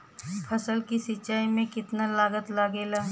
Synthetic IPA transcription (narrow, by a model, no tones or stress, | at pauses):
pʰɐsəlkisɪt͡ʃaːimẽkɪt̪nalaːɡət̪laːɡeːlaː